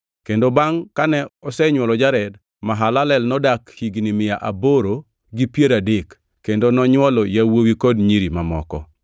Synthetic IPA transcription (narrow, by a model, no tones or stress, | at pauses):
kendobaŋkanɛɔsɛɲwɔlɔd͡ʒaɾɛd | maɦalalɛlnɔdakhiɡnimɪjaʔaboɾo | ɡipjeɾadekː | endonɔɲwɔlɔjawowikodɲiɾimamɔ̰kɔ̰